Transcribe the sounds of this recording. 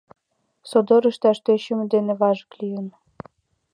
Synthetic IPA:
sod̪ŏɾə̆ʃt̪æʃt̪eɕymd̪enĕβɑʒə̥̆klʲijə̆n

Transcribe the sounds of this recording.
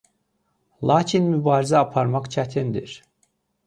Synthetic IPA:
lˠat͡ʃʰinmybaːɾizɛapʰaɾmakt͡ʃʰat̪ʰind̪ḭɾ̥

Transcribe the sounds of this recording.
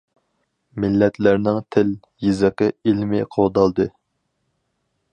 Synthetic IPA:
mɪlːɛt̪læɾnɪŋt̪ʰɪl | jizɪqəilmɪqʰowd̪ɑlˠd̪ɨ

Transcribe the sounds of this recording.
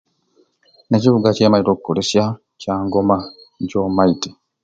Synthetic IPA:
ne̞ciβuɡace̞ːmajito̞kukolesja | caːŋɡo̞ma | ɲɟo̞ːmaiti̥

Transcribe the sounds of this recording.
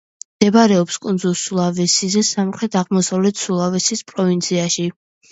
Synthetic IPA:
md̪̥ɛbaɾɛɔpskʼund̪zulˠsulˠavɛsizɛsamχɾɛt̪ʰaʁmɔsavlɛt̪ʰsulˠavɛsispʼɾɔvint̪sʰiaʃi

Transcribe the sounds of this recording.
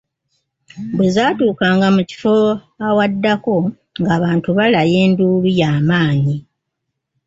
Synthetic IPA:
bwezaːtuːkaːŋɡamuci̥fo̞ | awadːako̞ | ŋɡaːβaːntuβalaje̞ːnduːβijaːmaːɲi

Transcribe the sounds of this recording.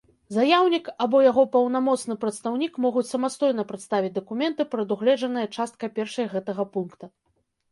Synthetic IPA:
zajawnʲikabɔjaɣɔpɐwn̪amɔt̪snɨpɾɐt̪st̪awnʲikmɔɣut͡sʲsɐmast̪ɔjn̪ɐpɾat̪st̪avʲid͡zʲd̪ɐkumʲɛnt̪ɨpɾɐd̪uɣlʲɛd͡ʐɐnɨjɐt͡ʂast̪̚kɐpʲɛrʂɐjɣɛt̪ɐɣɐpunkt̪ɐ

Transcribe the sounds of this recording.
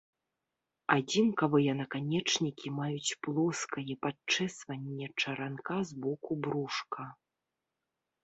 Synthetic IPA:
ad͡zʲinkɐvɨjɛnɐkanʲɛt͡ʂnʲikʲimajut͡sʲplˠɔskɐjɛpat͡ʂɛsvɐnʲːɛt͡ʂɐɾankazbɔkubɾuʂkɐ

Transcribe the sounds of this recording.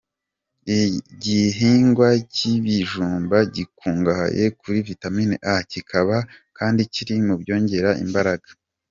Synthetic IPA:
ɟiɦiːŋɡwaciβiʒuːmbaɟikuːŋɡaha̰jekuɾivitamineʔacikʰaβakaːndiciɾimubɟo̞ːɲɟe̞ɾaʔḭmbaɾaɡḁ

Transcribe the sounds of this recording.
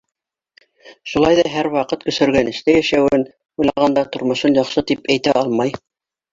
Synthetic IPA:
ʃulˠɑjðɑɦæɾwɑqɤt̪kɵ̆sɵ̆ɾɡænɘ̆ʃt̪æjæʃæwɘn | ujlˠɑʁɑnd̪ɑt̪ŏɾmŏʃɤnjɑqʃɤt̪ipæjt̪æɑlˠmɑj

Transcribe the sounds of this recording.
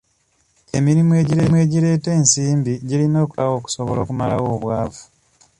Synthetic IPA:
e̞miɾimue̞ɟiɾemwe̞ɟiɾe̞ːte̞ːnsiːmbiɟilino̞ːkulawo̞ːku̥soβo̰lo̰ːkumala̰wo̞ːβwaːvu̥

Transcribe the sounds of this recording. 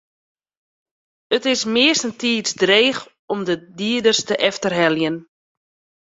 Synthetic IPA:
ətɪsmɪəstəntiːtsdreːx | ɔmdədiədərstəʔɛftərɦɛljən

